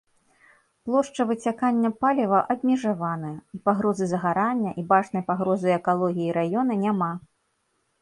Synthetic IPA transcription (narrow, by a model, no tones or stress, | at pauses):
plˠɔʂt͡ʂɐvɨt͡sʲakanʲːɐpalʲivɐʔɐbʲmʲɛʐavanɐjɐipaɣɾɔzɨzɐɣaɾanʲːɐʔibat͡ʂnɐjpaɣɾɔzɨjɛkalˠɔɣʲijiɾajɔnɐnʲama